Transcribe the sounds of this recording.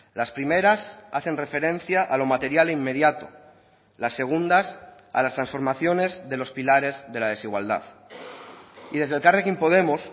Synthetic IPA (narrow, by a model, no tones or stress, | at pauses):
laspɾime̞ɾasaθe̞nre̞fe̞ɾẽ̞n̟θjaʔalo̞mat̪e̞ɾjaleimːe̞ðjat̪o | lasːe̞ɣ̞und̪as | a̰last̪ɾãnsfo̞ɾmaθjo̞ne̞zðe̞lo̞spilaɾe̞zðe̞lað̞e̞siɣ̞wa̰ld̪a̰ð | iðe̞zð̞elkarekimpo̞ðe̞mos